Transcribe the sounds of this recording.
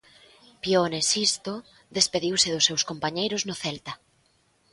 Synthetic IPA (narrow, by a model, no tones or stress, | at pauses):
pjonesist̪o | ðespeðiwsɪðʊsːewskompaɲejɾʊznoθɛlt̪ɐ